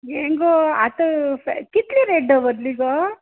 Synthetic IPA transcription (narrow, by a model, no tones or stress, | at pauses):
eːŋɡoat̪ɐk̪it̪liɾeɖːɐʋɐd̪liɡoː